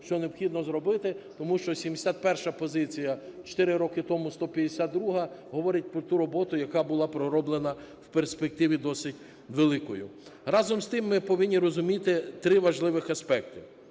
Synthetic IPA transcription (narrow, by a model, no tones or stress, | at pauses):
t͡ʃʲɔneɔpxʲid̪nɔzɾɔbɪt̪ɪt̪ɔmuʃt͡ʃɔsʲimd̪esʲat̪̚pɛrʃɐpɔzɪt͡sʲijɐt͡ʃɔ̥t̪ɪɾɪɾɔkɪt̪ɔmʊst̪ɔpʲjɐd̪esʲad̪d̪ɾuɦɐɦɔʋɔɾʲɪt̚ʲpɾɔt̪uɾɔbɔt̪ʊjɐkɑbʊlˠɑpɾɔɾɔblˠenɐ | wperspek̚t̪ɪʋʲid̪ɔsɪtʲ | ʋelˠɪkɔjʊ̰ | ɾɑzɔmst̪ɪmːɪpɔʋɪnʲːiɾɔzʊmʲit̪ɪt̪ɾɪʋɐʒlˠɪʋɪxɐspɛkt̪ɪ̥